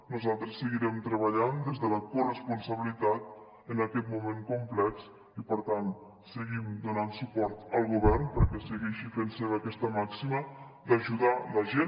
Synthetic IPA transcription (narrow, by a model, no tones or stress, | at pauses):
nuzalˠt̪ɾəsːəɣiɾɛmt̪ɾəβəʎand̪ezðələkurəspunsəβilit̪at̪̚ | ənəkɛt̪mumeŋkumplɛks | ipəɾt̪an | səɣimd̪unansupɔɾt̪əlˠɣuβɛɾnpəɾkɛsəɣɛʃifenseβəkɛst̪əmaksimə | d̪əʒuðaləʒen